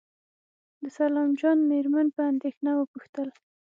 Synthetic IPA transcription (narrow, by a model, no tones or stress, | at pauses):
d̪əsalɑmd͡ʒɑnmeɾmanpəand̪exnawəpuxt̪əl